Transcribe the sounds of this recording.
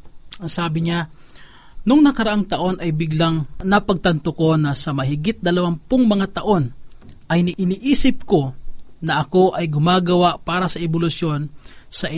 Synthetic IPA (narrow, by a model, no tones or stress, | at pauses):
ɐŋsaːbɪɲa | nʊŋnɐkɐɾɐʔaŋt̪ɐʔo̞nʔɐjbɪɡlaŋnɐpɐɡ̚t̪ɐnt̪oko̞nɐsɐmɐɦɪɡɪt̪̚d̪ɐlɐwampoŋmɐŋat̪ɐʔo̞nʔɐjnɪʔɪniʔiːsɪp̚ko̞nɐʔɐko̞ʔɐjɡʊmaːɡɐwaʔpaːɾɐsɐʔɛbolʊsjo̞nsɐʔ